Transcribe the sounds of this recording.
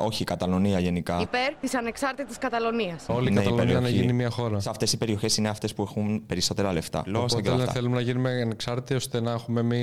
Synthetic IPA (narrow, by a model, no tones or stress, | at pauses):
o̞çikɐt̪ɐlo̞niɐʝe̞nikɐipeɾt̪isɐne̞ksɐɾt̪it̪i̥skɐt̪ɐloniɐsolinɐeɐleniɐninimɐxo̞ɾɐsɐft̪e̞sipe̞ɾio̞çe̞sine̞ɐft̪e̞spue̞xumpeɾiso̞t̪e̞ɾɐle̞ft̪ɐ̰losɐteft̪ɐθelumenɐʝinumeɐneksɐɾt̪t̪ost̪enɐexume̞mi